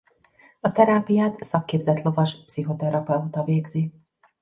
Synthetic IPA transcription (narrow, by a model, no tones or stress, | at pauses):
ɒt̪ɛɾaːpijaːt̪sɒkːeːbzɛt̪lo̞vɒʃpsiɦo̞t̪ɛɾɒpɛut̪ɒveːɡzi